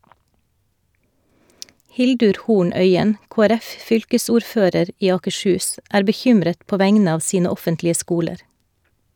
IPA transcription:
ˈhɪldʉɾ ˈhuːɳ ˈœʏən koːæˈɾɛfˌfʏlkəsuːɾˌføːɾəɾ ˈʔiː ɑːkəʃˈhʉːs ˈʔæːɾ bəˈçʏmɾət ˈpoː ˈʋæŋnə ˈɑːʋ ˈsiːnə ˈɔfəntlɪə ˈskuːləɾ

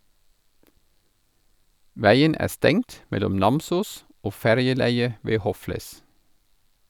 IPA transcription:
ˈʋæɪən ˈæː ˈstɛŋt ˈmɛlʊm ˈnɑmsuːs ˈoː ˈfæɾjəˌlæɪə ˈʋeː ˈhɔfləs

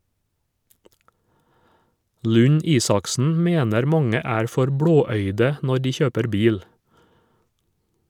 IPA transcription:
ˌlʉˈɲiːsɑksn̩ ˈmeːnəɾ ˈmɑŋə ˈæːɾ ˈfɔɾ ˈbɽoːˌœʏdə ˈnɔɾ ˈdiː ˈçøːpəɾ ˈbiːl

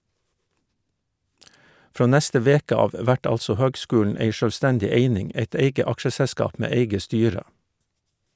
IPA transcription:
ˈfɾoː ˈnɛstə ˈʋeːkə ˈɑːʋ ˈʋæʈ ˈɑlsɔ ˈhøːɡˌskʉːɳ̩ ˈeɪ ʃøːlˈstɛndɪ ˈeɪnɪŋ ˈeɪt ˈeɪɡə ˈɑkʃəsɛˌskɑːp ˈmeː ˈeɪɡə ˈstyːɾə

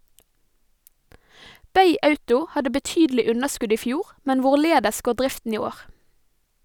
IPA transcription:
ˈbeɪ ˈɑʉtʊ ˈhɑdə bəˈtyːdəlɪ ˈʉnəˌʃkʉd ˈiː ˈfjuːʁ ˈmɛn ˈʋʊˌɭeːdəs ˈɡoː ˈɖɾɪftn̩ ˈiː ˈoːʁ

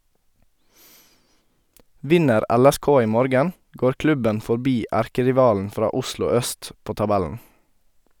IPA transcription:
ˈʋɪnəɾ ˈɛlɛˌskoː ˈiː ˈmoːɾɡən ˈɡoːɾ ˈklʉbən fɔɾˈbiː ˈæɾkəɾɪˌʋɑːln̩ ˈfɾɑː ˈʊslʊ ˈœst ˈpoː tɑˈbɛln̩

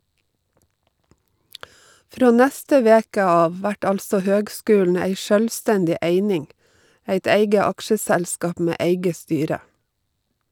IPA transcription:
ˈfɾoː ˈnæstə ˈʋeːkə ˈɑːʋ ˈʋæʈ ˈɑlsɔ ˈhøːɡˌskʉːln̩ ˈæɪ ˈʃœlˌstændɪ ˈeɪnɪŋ ˈæɪt ˈeɪɡə ˈɑkʃəˌsælskɑp ˈmeː ˈeɪɡə ˈstyːɾə

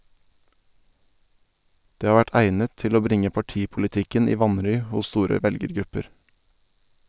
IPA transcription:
ˈdeː ˈhɑː ˈʋæʈ ˈæɪnət ˈtɪl ˈoː ˈbɾɪŋə pɑˈʈiːpʊlɪˌtɪkən ˈiː ˈʋɑnɾʏ ˈhʊs ˈstuːɾə ˈʋɛlɡəɾˌɡɾʉpəɾ

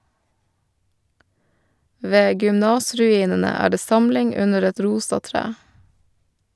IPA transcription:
ˈʋeː ɡʏmˈnɑːsɾʉˌiːnənə ˈæː ˈɖeː ˈsɑmlɪŋ ˈʉnəɾ ˈɛt ˈɾuːsɑ ˈtɾæː

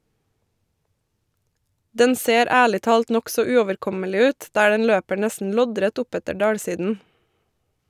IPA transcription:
ˈdɛn ˈseːɾ ˈæːɭɪ ˈtɑːlt ˈnɔksɔ ˈʉːɔʋəɾˌkɔməlɪ ˈʉːt ˈdæː ˈdɛn ˈløːpə ˈɳɛsn̩ ˈlɔˌdɾɛt ˈʊˌpɛtə ˈɖɑːɽˌsiːdn̩

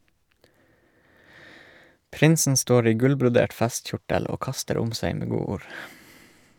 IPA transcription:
ˈpɾɪnsn̩ ˈstoːɾ ˈiː ˈɡʉlbɾʊˌdeːʈ ˈfɛstˌçʊʈəl ˈoː ˈkɑstəɾ ˈʊm ˈseɪ ˈmeː ˈɡuːuːɾ

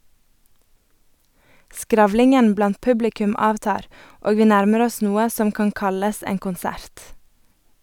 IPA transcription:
ˈskɾɑʋlɪŋən ˈblɑnt ˈpʉblɪkʉm ˈɑːʋˌtɑːɾ ˈoːɡ ˈʋiː ˈnæɾməɾ ˈɔs ˈnuːə ˈsɔm ˈkɑŋ ˈkɑləs ˈeːŋ kʊnˈsæɾt

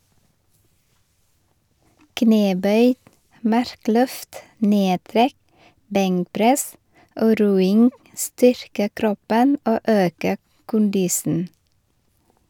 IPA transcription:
ˈkneːˌbœʏ ˈmɑɾˌklœft ˈneːˌtɾɛk ˈbɛŋkˌpɾɛs ˈoː ˈɾuːɪŋ ˈstʏɾkə ˈkɾɔpən ˈoː ˈøːkə ˈkʊndɪsn̩

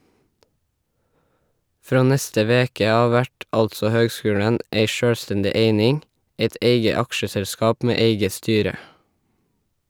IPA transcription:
ˈfɹoː ˈnɛstə ˈʋeːkə ˈɑː ˈʋæʈ ˈɑltsɔ ˈhøːɡˌskʉːɽən ˈʔeɪ ˈʃøːɽˌstɛndɪ ˈeɪnɪŋ ˈæɪt ˈʔeɪɡə ˈɑkʃəˌsɛlˌskɑːp ˈmeː ˈeɪɡə ˈstyːɾə

